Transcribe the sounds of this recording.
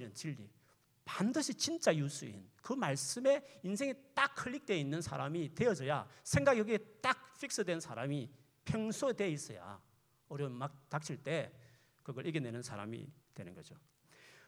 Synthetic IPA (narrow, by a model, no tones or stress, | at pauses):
ɾɯnt͡ɕiʎːḭ | pandɯɕʰit͡ɕint͡ɕ͈ajus͈ʰuḭnkɯmaɭs͈ɯme̞insʰe̞ŋit͈akʰːɯʎːik̚t͈we̞inːɯnsʰa̰ɾamite̞ʌd͡ʑʌja̰sʰe̞ŋɡaɡiʌɡiet͈ak̚fʰik̚s͈ɯdwe̞nsʰaɾami | pʰjʌŋsʰode̞is͈ʌ̰ja̰ | ʌɾjʌnmatak̚t͡ɕʰiɭt͈e̞ | kɯɡʌɭʔiɡene̞nɯnsʰaɾa̰mḭtwe̞nɯnɡʌd͡ʑo